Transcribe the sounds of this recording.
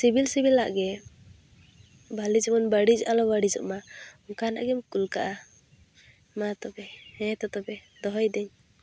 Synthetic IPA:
sibilsibilːaʔɡɛ | bʱalid͡ʒmɔnbaɽid͡ʒalɔbaɽid͡ʒɔ̰ʔmaɔkana̰ʔɡɛmkulkaʔa | mat̪ɔbɛɛ̃t̪ɔt̪ɔbɛ | d̪ɔɦɔjd̪ɛɲ

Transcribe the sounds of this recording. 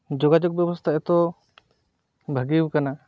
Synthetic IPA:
d͡ʒɔɡad͡ʒɔk̚bɛbɔst̪ʰaɛt̪ɔ | bʱəɡiwukana

